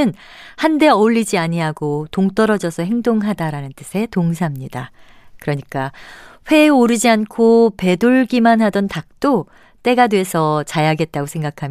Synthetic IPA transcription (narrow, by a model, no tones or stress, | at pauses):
ɯnhande̞oɭːid͡ʑiaɲiɦaɡotoŋt͈ʌɾʌd͡ʑʌsʰʌɦe̞ŋdoŋɦadaɾanɯnt͈ɯsʰe̞toŋs̬ʰamɲida | kɯɾʌɲik͈aɸwe̞oɾɯd͡ʑiankʰope̞doɭɡimanɦadʌntak̚t͈o | t͈e̞ɡadwe̞sʰʌt͡ɕajaɡe̞t̚t͈aɡosʰe̞ŋɡakʰam